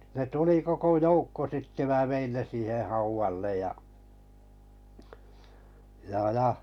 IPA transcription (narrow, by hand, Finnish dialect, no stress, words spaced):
ne tuli koko joukːo sitːe mæː ʋein ne siːheh hɑuʋɑlːej jɑ jɑ jɑ